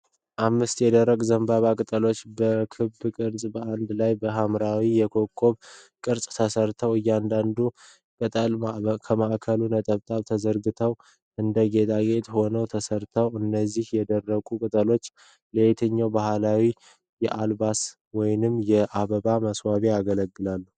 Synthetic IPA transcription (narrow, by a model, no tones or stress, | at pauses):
ʔamːɨst̪jɛd̪ərːəɡʼzəmbaβakʼɨt̪ʼəlo̞t͡ʃːbəkʰɨbkʼɨɾsʼbəand̪lajbəɦamɾawijɛkʰo̞kʰːo̞β | kʼɨɾsʼt̪ʰəsəɾt̪ʰəwɨjːand̪and̪u | kʼɨt̪ʼəlkʰəmaʔkʰəlunət̪ʼəβt̪ʼaβt̪ʰəzəɾɡɨt̪ʰəw | ʔɨnd̪əɡet̪ʰaɡe̞t̪ho̞nəwt̪ʰəsəɾt̪ʰəwɨnːəzːihjɛd̪ərːəɡʼukʼɨt̪ʼəlo̞t͡ʃː | let̪ʰəɲːawbahlawi | jɛʔalbas | wɔjnɨmjɛʔaβəβaməswaβeaɡələɡːɨlalːu